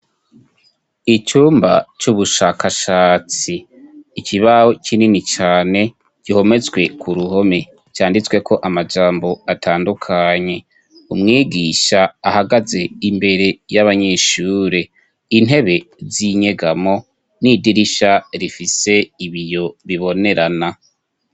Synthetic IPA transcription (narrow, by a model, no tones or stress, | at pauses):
it͡ʃuːmba̰t͡ʃuβuʃakʰaʃaːt͡siː | cʰiβaho̞cʰininit͡ʃaːne̞ | ɟ̥iho̞me̞t͡sɡwe̞kʰuɾuɦo̞me̞ | t͡ʃaːndit͡swe̞ko̞ʔamad͡ʒaːmbo̞atʰaːndukʰaɲe̞ | umŋiːɡiʃaːhaɡaze̞imbe̞ɾe̞jaβaɲeʃuːɾe̞ | ine̞βe̞ziɲe̞ɡamo̞ | nidiɾiʃaɾifise̞iβijo̞βiβo̞ne̞ɾana